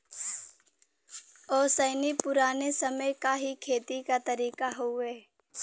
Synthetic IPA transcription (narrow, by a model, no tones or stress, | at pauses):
ɔːsəːnipʊɾaːnesɐməjkaɦikʰeːt̪ikat̪ɐɾiːkaɦoɛː